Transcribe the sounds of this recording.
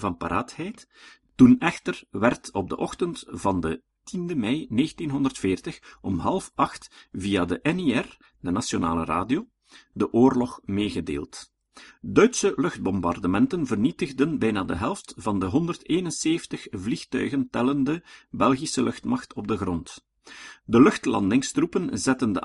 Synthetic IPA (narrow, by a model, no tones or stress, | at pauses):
vɑnpa̰ɾʔaːthɛjtː | unɛxtərʋɛrtɔb̚də̰ʔɔxtəntv̥ɑndə | tʰindəmɛjneːɣəntinɦɔndərtfeːrtəxɔmɦɑlˠfɑxtvijaːdəʔɛneɛr | dənasjona̰ːləra̰ːdioː | dəʔoːrlɔxmeːɣədḛːlˠt | dœɥtsəlɵxd̚bɔmbɑrdəmɛntənvərnitəɣdənbɛjnaːdəɦɛlˠftvɑndəɦɔndərteːnənseːftəxvlixtœ̰ɥɣəntɛləndəbɛlˠɣisəlʔɵxtmɑxtɔb̚dəɣrɔnt | dəlɵxtlɑ̰ndɪŋstrupənzɛtəndə̰